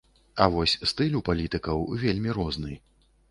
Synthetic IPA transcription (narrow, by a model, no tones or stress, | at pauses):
ɐvɔsʲst̪ɨlʲupalʲit̪ɨkɐwvʲelʲmʲiɾɔznɨj